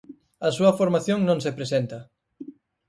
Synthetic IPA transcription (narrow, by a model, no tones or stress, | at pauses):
ɐsuɐfoɾmaθjoŋnõŋsepɾesent̪ɐ